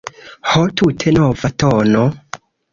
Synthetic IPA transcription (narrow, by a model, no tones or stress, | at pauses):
hot̪ʰutʰenɔvatʰɔno